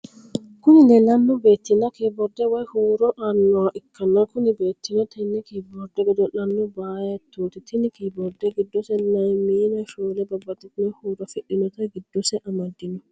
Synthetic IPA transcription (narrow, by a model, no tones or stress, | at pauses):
kʊnɪlɛlɐnːɔbeːt̪ːɪnɐkibɔɾd̪ɛwɐjhuːɾɔʔanːɔaʔɪkʰːɐnːakʊnɪbeːt̪ːɪnɔt̪ʰɐjnikibɔɾd̪ɛɡɛd̪ɔlɐnːɔbaːjɛt̪ʰːuːt̪ɪt̪ʰɪnɪkibɔɾd̪ɛɡɪd̪ːɔsɛnɐjmiːnɛʃoːlɛbɐbːɐt̪ɪt̪nɛhuːɾɔfɛɗɪnɔt̪ɐjɡɪd̪ːɔsɛʔɐmɐd̪ːɪnɔ